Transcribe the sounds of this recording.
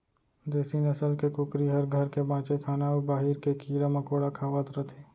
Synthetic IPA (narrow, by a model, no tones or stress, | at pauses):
d̪eːsinəsəlkekukɾiɦəɾɡʱəɾkebãːt͡ʃekʰaːnaubaːɦiɾkekiɾaməkoɽakʰaːʋət̪ɾət̪ʰe